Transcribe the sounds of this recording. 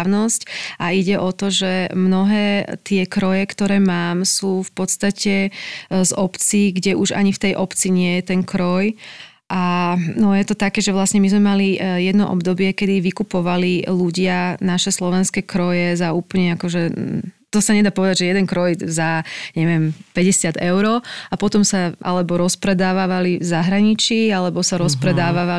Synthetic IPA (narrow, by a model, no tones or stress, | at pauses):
nɔscʔaiɟɛʔɔt̪ɔʒɛmnɔɦɛːt̪ɪɛkɾɔjɛkt̪ɔɾɛːmaːmsuːfpɔt̪st̪acɛzɔpt͡siːɡɟɛʔuʒa̰ɲift̪ɛjʔɔpt͡siɲɪɛjɛt̪ɛnkɾɔj | ʔanɔjɛt̪ɔt̪akɛːʒɛʋlasɲɛmizmɛmalijɛd̪nɔʔɔ̰bd̪ɔbɪɛkɛd̪iʋikupɔʋaliluɟɪanaʃɛslɔʋɛnskɛkɾɔjɛzauːpl̩ɲɛakɔʒɛt̪ɔsaɲɛd̪aːpɔʋɛd̪aɟʒɛjɛd̪ɛnkɾɔjzaɲɛʋɪɛmpɛɟɛsɪad̪ɛʊɾɔapɔt̪ɔmsaʔa̰lɛbɔɾɔspɾɛd̪aːʋaːʋalivzaɦɾaɲit͡ʃiːalɛbɔsaɾɔspɾɛd̪aːʋaʋa